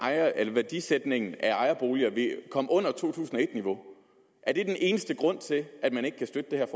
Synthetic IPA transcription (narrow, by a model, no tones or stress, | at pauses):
ɑ̈ɪɐelɐʋæɐd̥ised̥ne̝ŋn̩æɑ̈ɪɐb̥o̝ːliɐʋe̝kʰɒ̽m̰əʔɔ̽n̰ɐt͡sʰo̝̰ːt͡sʰṵːsn̩ɒ̽e̝d̥niʋo̝ | ʔæɐd̥e̝d̥enʔe̝ːnəsd̥əɡ̥ʁɔ̽n̰t͡sʰe̝lʔæd̥mæne̝ɡ̥ə̥kʰæsd̥ød̥əd̥e̝hæɐf